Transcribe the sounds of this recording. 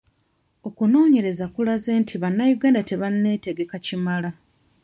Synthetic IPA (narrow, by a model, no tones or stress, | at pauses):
o̞kuno̞ːɲe̞ɾe̞zakulaze̞ːntʰiβanːajuɡaːndate̞βanːe̞ːte̞ɡe̞kacimala